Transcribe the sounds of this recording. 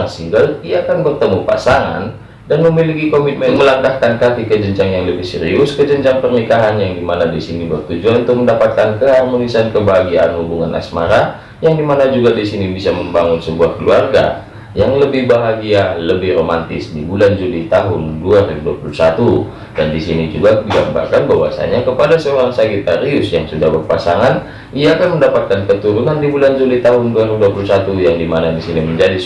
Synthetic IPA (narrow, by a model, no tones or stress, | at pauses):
siŋɡəldiaːkanbərt̪əmupa̰saŋa̰n | danməmilikikomit̪̚mɛməlaŋkahkankat̪ikəd͡ʒəɲd͡ʒaŋjaŋləbɪhsəɾiʊskəd͡ʒəɲd͡ʒaŋpərnikaɦanjaŋdimanadisinibərt̪ud͡ʒuanunt̪ʊk̚məndapat̪̚kankəarmonisankəbaɦaɡiaːnhubuŋa̰na̰sma̰ɾa | jaŋdimanad͡ʒuɡadisinibisaməmbaŋʊnsəbuahkəluarɡa̰ | jaŋləbɪhbaɦaɡialəbɪhromant̪ɪsdibuland͡ʒulit̪aɦʊnduaɾiduapulusat̪u | dandisinid͡ʒuɡadiɡamba̰rkanbawa̰sa̰ɲakəpadasəoɾaŋsaɡit̪aɾiʊsjaŋsudahbərpasaŋan | iaːkanməndapat̪̚kankət̪uɾunandibuland͡ʒulit̪aɦʊnduaɾiduapulusat̪ujaŋdimanadisiniməɲd͡ʒadi